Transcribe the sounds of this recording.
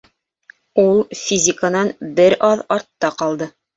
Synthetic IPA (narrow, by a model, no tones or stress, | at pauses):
ulˠfʲizʲɪkənɑnbɘɾʔɑðɑɾt̪ːɑqɑlˠd̪ɤ